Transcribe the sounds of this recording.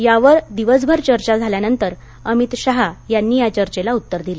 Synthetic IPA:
jaʋəɾd̪iʋəs̬bʱəɾt͡ɕəɾt͡ɕad͡zʱaljanənt̪əɾ | əmit̪ɕaɦajanːiːat͡ɕəɾt͡ɕelaut̪ːəɾd̪ile

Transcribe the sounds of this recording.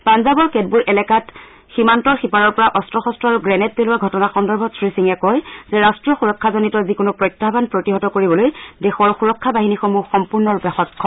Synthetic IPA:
panzabɔɹkɛd̚buɹʔɛlɛkat | ximantɔɹxipaɹɔɹpɔɹaʔɔstɹɔxɔstɹɔaɹuɡɹɛnɛt̚ːelʊwaɡʱɔtɔnaxɔndɔɹbʱɔsɹisiŋɛkɔjzɛɹastɹijɔxuɹɔkʰːazonitɔzikonʊpɹɔjtːabanpɹotiɦɔtɔkoɹibɔlojdexɔɹxuɹɔkʰːabaɦinixomuxɔmpuɹnɔɹupɛxɔjkʰːɔ

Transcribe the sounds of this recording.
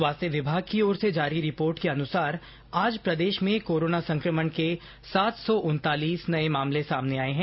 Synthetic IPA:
ʋaːst̪əʋɪbʱaːɡ̚kiɔːɾsed͡ʒaːɾiɾɪpoːɾʈkeɐnʊsaːɾ | aːd͡ʒpɾɐd̪eːʃmẽkoːɾoːnasɐ̃ŋkɾəməɳke | saːt̪sɔʔʊnt̪aːliːsnɐemaːmlesaːmneaːeɦɛ̃ː

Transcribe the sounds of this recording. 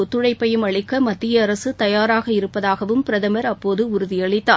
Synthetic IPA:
ɔt̪ːɯɽɐɪpːɐjɯmɐɭɪkːɐmɐt̪ːɪjɐːɾɐsɯt̪ɐjaːɾaːɣɐɪɾɯpːɐðaːɣɐʋɯmpɪɾɐðɐmɐɾɐpːoːðɯʊɾʊðɪjɐɭɪt̪ːaː

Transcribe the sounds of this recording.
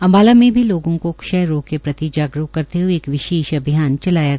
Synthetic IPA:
ɐ̃mbaːlamẽbʱiloːɡõkokʃɐjɾoːkːepɾɐt̪id͡ʒaːɡɾukɐɾt̪eɦueːkʋɪʃeːʃɐbʱijaːnt͡ʃɐlaːjaɡ

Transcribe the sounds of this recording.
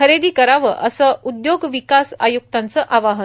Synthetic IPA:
əɾed̪iːkəɾaʋəʔəsəud̪joɡʋikasa̰juk̚t̪ãnt͡səʔaʋaɦə

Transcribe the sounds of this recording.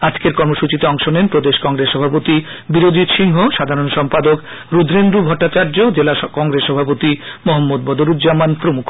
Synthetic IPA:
ad͡ʑkeɾkɔɾmoʃut͡ɕit̪eɔŋʃonenpɾod̪eʃkɔŋɡɾeʃːɔbʱapot̪i | biɾod͡ʑit̪ʃiŋɦoʃad̪ʱaɾonʃɔmpad̪ok | ɾud̪ʱɾend̪ubʱɔʈːat͡ɕaɾd͡ʑod͡ʑelakɔŋɡɾeʃːɔbʱapot̪imoɦamːod̪̚bɔd̪oɾud̪d͡ʑamanpɾomukʰ

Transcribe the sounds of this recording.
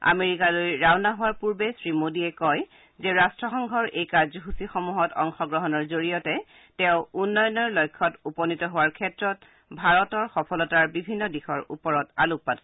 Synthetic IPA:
a̰meɹikalojɹawnaɦʊwaɹpuɹbɛsɹimodiɛkɔj | zɛɹastɹɔxɔŋɡʱɔɹʔejkaɹzɔɦusixɔmuɦɔtɔŋxɔɡɹɔɦɔnɔɹzoɹijɔtɛ | tɛ̃ʊ̃unːɔjɔnːɔɹlɔjkʰːɔtupɔnitɔɦʊwaɹkʰɛtɹɔt | bʱaɹɔtɔɹxɔpʰɔlɔtaɹbibʱinːɔdixɔɹṵpɔɹɔtaluk̚pat

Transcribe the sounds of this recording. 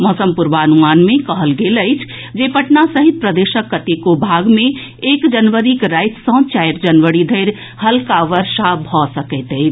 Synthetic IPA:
mɔːsəmpuɾʋaənumaːnmẽkəɦəlɡeləɪt͡ʃʰ | d͡ʒepəʈnasəɦit̪̚pɾəd̪eːʃəkːət̪ekobʱaɡmẽ | eːkd͡ʒənʋəɾikɾajt̪sə̃t͡ʃajɾd͡ʒənʋəɽid̪ʱəɪɾ | həlkaʋəɾʃabʱɔsəkəɪt̪əɪt͡ʃʰ

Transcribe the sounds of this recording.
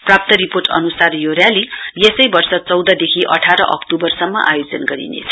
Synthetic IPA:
prap̚t̪ʌɾiporʈʌ̰nusarjorjalijesʌjbʌrsʌt͡sʌwd̪ʌd̪ekʰiʔʌ̰ʈʰaɾʌ̰ʔʌ̰kʈubʌrsʌmːʌ̰ʔa̰jod͡zʌnɡʌɾḭnḛt͡sʰʌ̥

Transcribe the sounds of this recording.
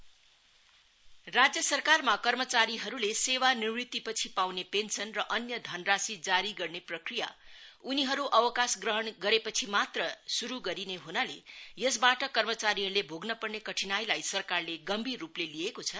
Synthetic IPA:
rad͡zjʌsʌrkarmakʌrmʌt͡saɾiɦʌɾulesewanirnit̪ːipʌt͡sʰipawnepensʌnrʌʔʌnjʌd̪ʱʌnrasid͡zaɾiɡʌrneprʌkrija̰uniɦʌɾuʔʌwʌkasɡrʌɦʌɳɡʌɾepʌt͡sʰimat̪rʌsuɾuɡʌɾineɦunalejʌs̬baʈʌkʌrmʌt͡saɾiɦʌɾulebʱoɡnʌpʌrnekʌʈʰinajlajsʌrkarleɡʌmbʱirːuplelijekot͡sʰʌ

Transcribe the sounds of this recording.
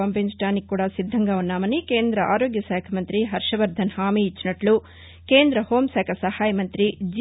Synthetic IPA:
ɐmpensʈaːnikːuːɽaːsid̪ʱːɐŋɡaːunːaːmɐnikeːnd̪ɾɐʔaːɾoːɡjɐsɛːkʰɐmɐnt̪ɾiɦɐɾʂɐʋɐɾd̪ʱɐnhaːmiːt͡ʃːinɐʈlu | ke̞ːnd̪ɾɐho̞ːmsɛːkʰɐsɐhaːjɐmɐnt̪ɾid͡ʒ

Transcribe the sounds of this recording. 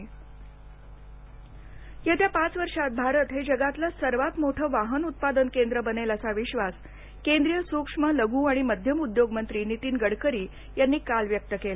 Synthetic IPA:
jet̪japat͡sʋəɾʂat̪̚bʱaɾət̪ɦed͡ʑəɡat̪lasəɾʋat̪moʈʰəːʋaɦənut̪̚pad̪ənkend̪ɾəbənelasaʋiɕʋas | kend̪ɾijəsukʂmələɡũːaɽ̃iməd̪ʱjəmud̪joɡmənt̪ɾiːnit̪iːnɡəɽkəɾiː | janːiːkalʋjək̚t̪əkel

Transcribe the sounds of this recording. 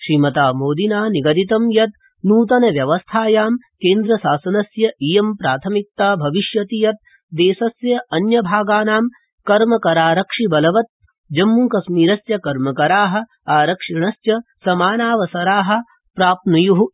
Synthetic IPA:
ʃɾiːmɐt̪aːmoːd̪inaːniɡɐd̪it̪ɐmjɐt̪ | nuːt̪ɐnɐʋjɐʋɐst̪ʰaːjaːmkeːnd̪ɾɐsaːsɐnɐsjɐʔijɐmpɾaːt̪ʰɐmik̚t̪aːbʱɐʋiʃjɐt̪ijɐt̪̚ | d̪eːsɐsjɐʔɐnjɐbʱaːɡaːnaːm | kɐɾmɐkɐɾaːɾɐkʂibɐlɐʋɐt̪̚ | d͡ʒɐmːukɐsmiːɾɐsjɐkɐɾmɐkɐɾaːɦɐ̆ | aːɾɐkʂiɳɐsjɐsɐmaːnaːʋɐsɐɾaːɦɐ̆ | pɾaːp̚nujuɦu

